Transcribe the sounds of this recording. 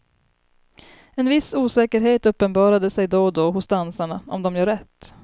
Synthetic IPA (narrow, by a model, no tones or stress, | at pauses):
ɛnvɪsuːsɛːkəɾɦeːt̪ɵpːənbɑːɾad̪əsɛjd̪ɔd̪ɔɦʊsd̪ansaɳaɔ̰md̪ɔmjœːɾɛt̪ː